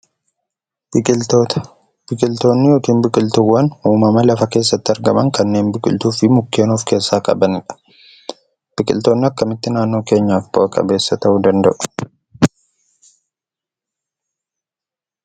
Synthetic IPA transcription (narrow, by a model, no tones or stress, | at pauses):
ot̪ | b̥ɪkʼɪlt̪o̞ːnːɪjoːkiːnbɪkʼɪlt̪ʊwːɐnhuːmɐmɐlɐfɐke̞ːs̬ːɐt̪ːɪɐɾɡɐmɐŋkɐnːe̞ːnbɪkʼɪlt̪uːfɪmʊkːe̞ːnuːfke̞ːsːaːkʼɐ̰bɐnɪᶑɐ̥ | b̥ɪkʼɪlt̪oːnːɪɐkːɐmɪt̪ːɪnaːnːoːke̞ːɲːaːfboɐkʼɐ̰be̞ːsːɐt̪ɐʔuːd̪ɐnd̪ɐʔʊ̥